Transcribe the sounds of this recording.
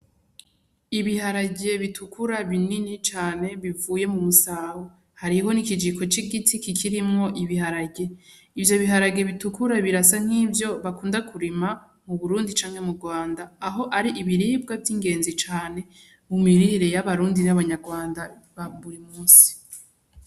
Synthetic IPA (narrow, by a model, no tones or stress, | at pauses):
iβihaɾaɟe̞βitʰukʰuɾaβininit͡ʃaːne̞βivuːje̞mumusaːho | haɾiɦo̞nikid͡ʒiko̞t͡ʃiɡitʰikikʰiɾimŋo̞ʔiβihaɾaɟe̞ | ivjo̞βiɦaɾaɡe̞βitukuɾaβiɾasaŋ̥iːvjo̞βakuːndakuɾima | muβuɾuːndit͡ʃaːŋhe̞muɾɡwaːndaːɦo̞ʔaɾiʔiβiɾiːbɡavjiːŋɡe̞ːnzit͡ʃaːne̞ | mumiɾiɾiɾe̞jaβaɾuːndinaβaɲaɡwaːndaβaβuɾimuːsi̥